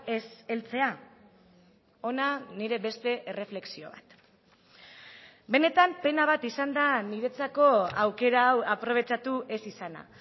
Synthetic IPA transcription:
eselt͡se̞a | o̞naniɾe̞βe̞st̪e̞ʔere̞fle̞ksio̞̰βa̰t̪ | be̞ne̞t̪ampe̞naβ̞at̪isand̪aniɾe̞t͡sako̞awke̞ɾaːwapɾo̞β̞e̞t͡ʃat̪uʔe̞sisana̰

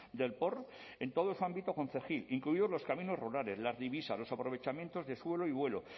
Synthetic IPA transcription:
d̪e̞lpo̞ɾ | e̞nt̪o̞ðosuambit̪oko̞nθe̞xiliŋkluiðo̞zloskamĩno̞zruɾale̞zlazðiβisazlo̞sapɾo̞β̞e̞t͡ʃamjent̪o̞zðe̞swe̞loiβwe̞lo

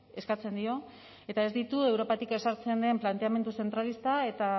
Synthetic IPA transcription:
e̞skat͡se̞nd̪io̞ | e̞t̪ae̞zd̪it̪ue̞wɾo̞pat̪ike̞saɾt͡se̞nd̪e̞mplant̪e̞ame̞nd̪use̞nt̪ɾalist̪ae̞t̪a

